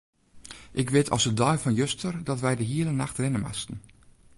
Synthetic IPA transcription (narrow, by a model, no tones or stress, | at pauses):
ʔɪkʋɪtʰɔ̰sədɔjfɔnjøstʰərdɔtʋɛjdəɦiəlˠənaxtrɪnəma̰stn̩